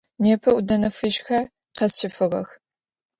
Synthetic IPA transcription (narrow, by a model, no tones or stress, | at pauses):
neːpʰɐudɐnɐfɨʒxɐr | qɐsʃɪfɨʁɐ̰x